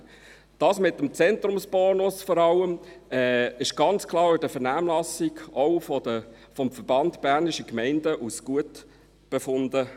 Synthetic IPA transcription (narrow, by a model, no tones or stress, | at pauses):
d̥ɑːsmɪtːəmt͡sɛnt̪ɾʊmsb̥ɔːnʊsfɔɾɑləmɛːɪʃɡ̥ɑnt͡skʰlˠɑːɾybd̥əfəɾnæːmlɑsɪɡɔʊfə | fɔmfəɾb̥ɑndb̥æːɾniʃəkmɛɪndəʔusɡ̥uət | b̥efʊndə